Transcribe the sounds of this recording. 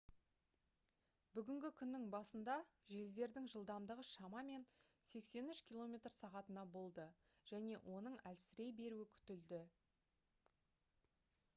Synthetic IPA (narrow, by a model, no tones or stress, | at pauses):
bʏɡʲɪŋɡʲɪkʲʰʏnːɪŋbɑsənd̪ɑʒelze̞ɾd̪ɪŋʒəlˠd̪ɑmd̪əʁəʃɑmɑme̞nse̞kse̞nʏʃkʲilˠo̞mʲe̞t̪rsɑʁɑt̪ənɑbo̞lˠd̪ə | ʒ̥æne̞ʔwʔo̞nəɴælsɪɾe̞jbe̞ɾuɪkʲʰʏ̥t̪ɪld̪ɪ